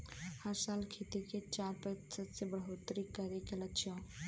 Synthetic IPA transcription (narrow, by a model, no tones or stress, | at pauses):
həɾsaːlkʰit̪iket͡ʃaːɾpət̪səbsebɾəɦot̪ɾikəɾekeləkt͡ʃʰijõ